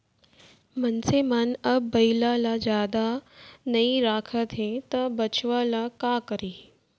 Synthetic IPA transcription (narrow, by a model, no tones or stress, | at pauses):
mənsemaːnəbbəilalad͡ʑaːd̪anəiɾaːkʰət̪ɦet̪əbət͡ɕʋalakakəɾi